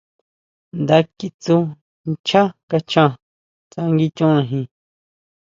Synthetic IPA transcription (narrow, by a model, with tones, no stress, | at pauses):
nd̪a˧ki˧t͡su˧˦ | t͡ʃʰa˦ka˧t͡ʃʰã˧ | t͡sa˧ŋɡi˧t͡ʃũ˦ʔã˧ɦĩ˧